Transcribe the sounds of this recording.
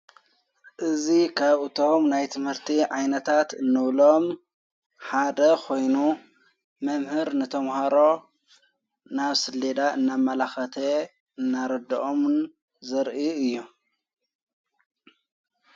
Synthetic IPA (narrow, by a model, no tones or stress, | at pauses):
ʔɨzikʰaβɨt̪ʰo̞mnajt̪ʰɨmhɨɾt̪ʰiʕajnɐt̪ʰat̪ɨnːɨβlo̞m | ħad̪ɐkʰo̞jnu | mɐmhɨɾnɨt̪ʰɐmhɐɾo̞ | naβsɨlːed̪aʔɨnːamːɐlaxɐt̪ʰe | ɨnːaɾɐd̪ɐ̰ʔom | zɐɾʔiɨjːu